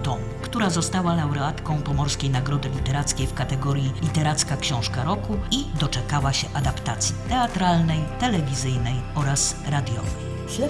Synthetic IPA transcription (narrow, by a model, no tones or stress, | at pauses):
t̪ɔm | kt̪uɾazɔst̪awalawɾɛat̪kɔ̃w̃pɔmɔɾskʲejnaɡɾɔd̪ɘlʲit̪ɛɾat̪skʲejfkat̪ɛɡɔɾjilʲit̪ɛɾat̪skakɕɔ̃w̃ʂkaɾɔkuid̪ɔt͡ʂɛkawaɕɛʔad̪apt̪at̪sʲjit̪ɛat̪ɾalnɛjt̪ɛlɛvʲizɘjnɛjɔɾasɾad̪ʲjɔ̰vɛj